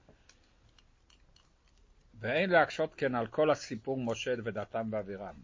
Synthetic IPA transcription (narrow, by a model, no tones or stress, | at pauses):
veejnleakʃo̞t̪kenalkʰo̞lhasipuʁmo̞ʃedved̪at̪amveaviʁam